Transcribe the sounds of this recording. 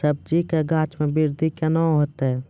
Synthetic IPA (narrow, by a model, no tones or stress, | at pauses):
əb̚d͡ʒikeɡaːt͡ʃmẽbɪɾd̪ʱikanaɦoːt̪ɦɛ